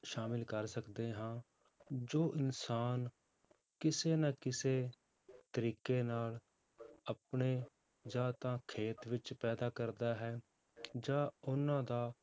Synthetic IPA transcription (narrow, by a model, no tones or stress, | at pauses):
ʃaːmɪlkəɾsəkd̪eːɦãː | d͡ʒoːʔɪnsaːn | kɪseːnaːkɪseː | t̪əɾiːkeːnaːl | əp̚ɳeː | d͡ʒãːt̪ãːkʰeːt̪ʋɪt͡ʃpɛːd̪aːkəɾd̪aːɦɛː | d͡ʒãːʊnãːd̪aː